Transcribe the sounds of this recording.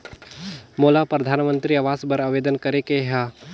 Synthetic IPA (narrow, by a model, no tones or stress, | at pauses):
moːlapɾɐd̪ʱaːnmə̃nt̪ɾiaʋaːsbɐɾɐʋeːd̪ənkɐɾekeɦa